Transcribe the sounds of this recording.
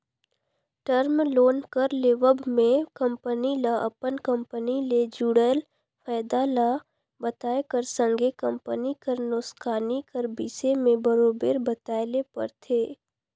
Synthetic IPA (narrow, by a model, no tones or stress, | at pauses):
ʈəɾmloːnkəɾleːʋəbmẽkə̃mpənilaʔɐ̰pənkə̃mpəniled͡ʒuɽəl | fʰəːɪd̪ala | bət̪aːekəɾsə̃ŋɡʱekə̃mpənikəɾnʊskaːnikəɾbisemẽbəɾoːbeːɾbət̪aːlepə̰ɾt̪ʰeː